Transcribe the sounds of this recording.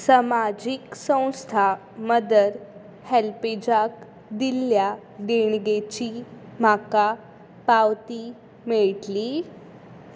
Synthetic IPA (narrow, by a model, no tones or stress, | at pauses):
səmad͡ʑiksə̃w̃st̪ʰa | məd̪əɾ | hɛlped͡ʑak | d̪ilja | d̪eɳɡet͡ɕim̤aka | pawt̪i | meɭʈliː